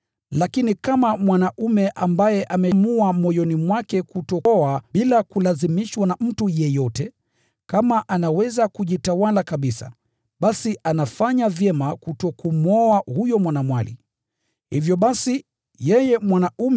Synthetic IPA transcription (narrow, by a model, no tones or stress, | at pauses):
lakinikamamwanaʔumɛʔambajɛʔamɛmuamɔjɔnimwakɛkutɔaɓilakulazimiʃwanam̩tujɛjɔtɛ | kamaʔanawɛzakuʄitawalakaɓisa̰ | ɓasianafaɲavjɛmakutɔkumɔahujɔmwanamwalḭ | hivjɔɓasi | jɛjɛmwanaum